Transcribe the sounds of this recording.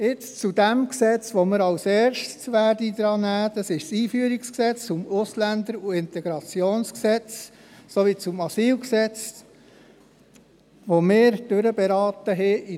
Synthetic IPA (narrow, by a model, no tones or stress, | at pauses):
ɪt͡st͡sud̪æmksɛt͡sʋoməɾɑwsɛːɾʃsʋæːɾdid̪ɾɑːnæːd̥̪ɑsɪʃsiːfyəɾiksksɛt͡st͡sʊmʊslænd̪əɾuɪnt̪ɛɡ̥ɾɑt͡sjoːnsksɛt͡s | soʋit͡sʊmɑsiːlksɛt͡s | ʋomɪːɾd̥øɾəbɛɾɑːt̪əɦɪi